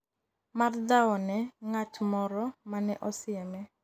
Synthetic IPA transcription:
mard̪awɔnɛŋatmɔɾɔmanɛʔɔsɪɛmɛ

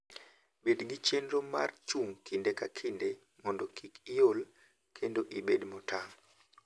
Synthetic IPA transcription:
bedɡit͡ʃendɾoma̰rt͡ʃuŋkindekakʰinde | mɔndɔkʰikijol | kʰendoʔibedmɔtaŋ

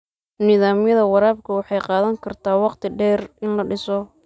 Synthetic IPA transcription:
nɪðaːmjɐðɐwɑɾaːb̚kʰɐwɑħɑjqɑːðɐŋkʰɐrt̪ʰaːwɑqt̪ʰɪɖɛːrɪnlɐɖɪsɔ

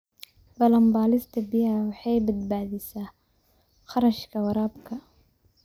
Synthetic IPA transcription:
bɐlɐmbaːlɪst̪ʰɐbɪjawɑħɑjbɐd̪baːðɪsaː | χɑɾɐʃkʰɐwɐɾaːbkʰɐ

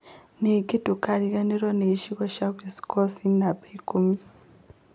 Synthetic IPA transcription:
nikitukaɾiɣaniɾoneʃiβoʃaβisi̥kosinabaikumi

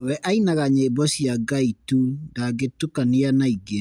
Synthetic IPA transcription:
wɛʔainaɣaɲebɔɕiaɡaitudaɡetukaneanaiɡe

